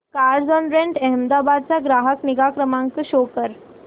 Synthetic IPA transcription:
kaɾd͡zɔnɾeɳʈɛɦmd̪abad̪̚t͡saɡɾaɦəkniɡakɾəmãŋkəɕokəɾ

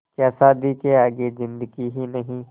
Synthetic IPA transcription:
kɛːsaːd̪ikeaːɡezɪ̃nd̪əɡiɦinɐɦĩː

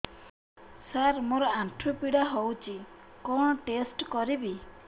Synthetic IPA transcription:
saɾmoɾɔaɳʈʰɾupiɽaɦowt͡ʃʰikɔɳ̃ɔʈesʈkɔɾibi

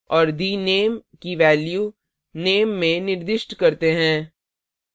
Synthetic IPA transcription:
ɔːɾd̪iːneːmkiʋɛːlju | neːmːẽnɪɾd̪ɪʃʈkɐɾt̪eɦɛ̃ː

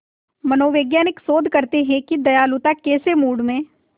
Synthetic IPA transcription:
mɐnoːʋeːɡjaːnɪksoːd̪ʱkɐɾt̪eɦɛ̃kid̪ɐjaːlʊt̪akeːsemuːɽmẽ

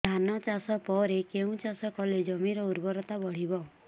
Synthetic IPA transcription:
anɔt͡ʃasɔpɔɾekeũt͡ʃasɔkɔled͡ʒɔmiɾɔuɾbɔɾɔt̪abɔɽ̤ibɔ

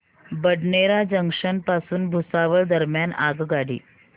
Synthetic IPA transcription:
bəɽɳeɾad͡ʑəŋkʂənpasuːnbʱusaʋəɭd̪əɾmjana̰ɡɡaɽḭː

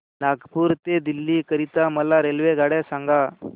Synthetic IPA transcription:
naɡpuɾt̪ed̪ilːikəɾit̪aməlaɾelʋeɡaɽjasãŋɡa

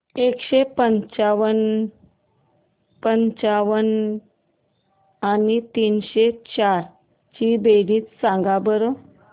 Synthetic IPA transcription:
ekɕepəɲt͡ɕaʋən | pəɲt͡ɕaʋən | anit̪iːnɕet͡ɕaɾ | t͡ɕibeɽiːt͡ssãŋɡabəɾo

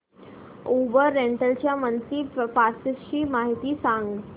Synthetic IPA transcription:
obəɾːeɳʈəlt͡ɕjamənt̪iːpaɾsiɕiːmaɦit̪iːsãŋɡ

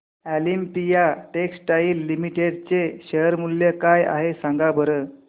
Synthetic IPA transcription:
ælimpijaʈeksʈaiːlːimiʈeɖt͡seɕeɦəɾmulːjekaja̰ɦesãŋɡabʱəɾə

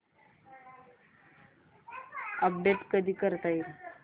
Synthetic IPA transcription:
əp̚ɖeʈkəd̪ʱiːkəɾt̪ajɾ

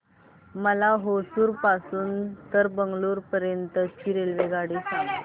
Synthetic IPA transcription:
məlaɦosuːɾpasuːnt̪əɾbəŋɡluːɾpəɾjənt̪ət͡ɕiːɾelʋeɡaɽiː

